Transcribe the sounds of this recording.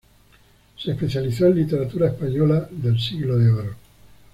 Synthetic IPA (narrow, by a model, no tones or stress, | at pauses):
seːspeθjaliθoẽnlit̪eɾat̪uɾaespaɲolaðelsiɣloðeoɾo